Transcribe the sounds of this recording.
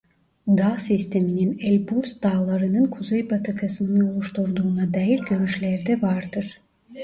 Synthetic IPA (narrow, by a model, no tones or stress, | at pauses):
d̪asist̪ʰe̞mininelʲbuɾsd̪̥aːlˠaɾɯnɯnkʰuzejbat̪ʰɯkʰɯsmɯnɯolˠuʃt̪uɾd̪uːnɑd̪ɑːjiɾɟø̞ɾyʃlʲæɾd̪ɛvaɾd̪ɯɾ̥